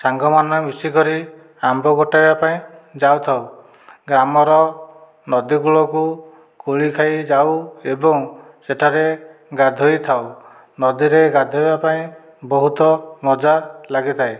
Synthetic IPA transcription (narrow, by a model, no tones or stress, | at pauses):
saŋɡɔmanɔmisikɔɾi | ambɔɡɔʈajbapaĩd͡ʒawt̪ʰaw | ɡɾamɔɾɔ | nɔd̪iɡuɭɔku | koɭikʰajd͡ʒawebɔŋ | seʈʰaɾeɡad̪ʱojt̪ʰaw | nɔd̪iɾeɡad̪ʱojbapaĩ | bɔɦut̪ɔmɔd͡ʒalaɡit̪ʰae